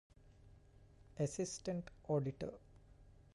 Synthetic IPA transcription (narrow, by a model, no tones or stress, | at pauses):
esisʈeɳʈoːɖiʈə̰